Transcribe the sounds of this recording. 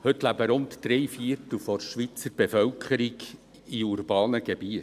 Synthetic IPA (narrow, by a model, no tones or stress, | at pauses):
hɵt̪læbəɾʊntd̥̪ɾɛjfiəɾt̪l̩fɔɾʃʋit͡səɾb̥efœwkʰχəɾiɡ | iuɾbɑːnəɡebiət